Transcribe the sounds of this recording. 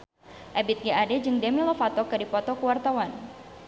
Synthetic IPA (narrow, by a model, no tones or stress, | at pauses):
ʔɛbit̪̚ɡiadɛd͡ʒɨŋdemilɔfat̪ɔkɨdipɔt̪ɔkəwart̪awan